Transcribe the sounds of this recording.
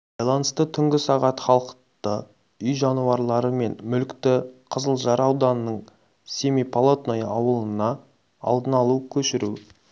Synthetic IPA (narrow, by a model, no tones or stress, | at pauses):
b̥ɑjlˠɑnəst̪ət̪ʰʏŋɡʲɪsɑʁɑt̪χɑlˠəqtt̪ə | ʏjʒɑnuɑɾlˠɑɾəme̞nmʏlkt̪ɪqʰəzəlˠʒɑɾɑwd̪ɑnənəɴ | sʲemijpʰolˠot̪nojɑwəlˠənɑ | ɑ̰lˠd̪ənɑlˠukʲʰɵʃɪɾu